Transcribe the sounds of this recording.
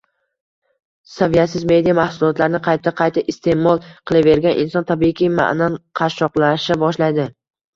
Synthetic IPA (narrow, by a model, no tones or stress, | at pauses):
savijat̪sɪzme̞d̪ijamahsʊlˠɒt̪laɾɪnɪqʰɑjt̪ʰaqʰɑjt̪ʰaʔɪst̪ʰe̞mɒlˠqʰɨlˠave̞ɾɡʲanʔɪ̰nsɒnt̪ʰabiɪkʲʰijma̰ʔnanqʰɑʃɒqlˠaʃabɒʃlajd̪ɪ